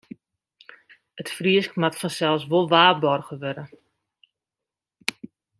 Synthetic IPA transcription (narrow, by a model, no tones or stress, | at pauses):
ətfriəskmatfɔnsɛlˠs̬ʋolˠʋaːbɔrɣəʋøɾə